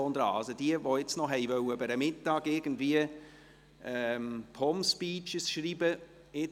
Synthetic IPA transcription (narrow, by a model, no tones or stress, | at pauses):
ond̪əɾɑ̰ːɑlsod̥iəvoɪt͡snɔɦɛɪvœwəbəɾəmɪtːɑːɡɪɾɡ̥ən̩dviə | ɛmpʰɔmspiːt͡ʃəsʃɾiːbə | ɪ